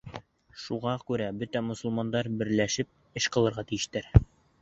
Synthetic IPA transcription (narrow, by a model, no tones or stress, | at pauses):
ʃuʁɑkʉɾæbɵt̪æmŏsŏlˠmɑnd̪ɑɾbɘ̆ɾlæʃɘp̚ | ɘʃqɤ̆lˠɤ̆ɾʁɑt̪ijɘ̆ʃt̪æɾ